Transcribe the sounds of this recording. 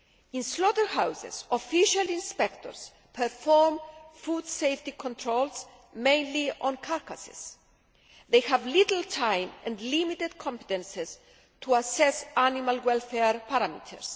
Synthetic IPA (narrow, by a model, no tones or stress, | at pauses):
ĩnslot̪əɾhawzḛsofiʃalĩnspekt̪o̰ɾs | pʰɛɾfoɾmfud̪sejft̪ikʰõnt̪ʰɾols | mẽjnliʔõnkʰaɾkɐse̥̰s | ðejhævlit̪l̩t̪ʰãjmɛ̃nd̪limit̪ed̪kʰõmpe̥t̪ẽnses | t̪ʰuasɛsanimalwelfeɾpɐɾamḭt̪ʰḛɾs